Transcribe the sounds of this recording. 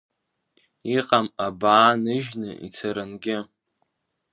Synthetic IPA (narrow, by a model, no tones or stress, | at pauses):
iqʼamabaːnɨʒnɨ̰ʔḭt͡sʰaɾɨnɡʲɪ